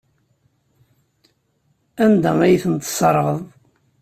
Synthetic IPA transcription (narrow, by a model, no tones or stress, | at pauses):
ænd̪æmæjθənt̪sˤəɾˤəʁəðˤ